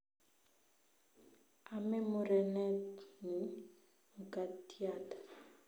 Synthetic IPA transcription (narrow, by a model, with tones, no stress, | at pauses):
a˨mɛ˦mʊ˨ɾɛ˨nɛ˦ni˨˦ | ŋ̩˨kʼa˨ti˦aː˨tḁ˨